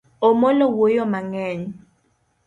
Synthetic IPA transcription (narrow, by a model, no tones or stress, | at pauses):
omɔlɔwojɔmaŋɛːɲi